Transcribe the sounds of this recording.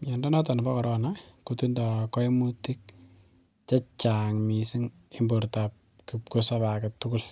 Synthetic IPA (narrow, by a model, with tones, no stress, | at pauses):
jɔ˨nda˦nɔ˦tɔ˨n˨bɔ˦kɔ˨ɾʔɔnakoti˦nda˨kɔ˦i˦mu˦ti˦k̚ | t͡ʃa˦t͡ʃa˨ŋmi˨si˦ŋ | ɪ˦mbo˨ɾta˨p̚ | kikosa˦ba˨kɛtʊ˦ku˦l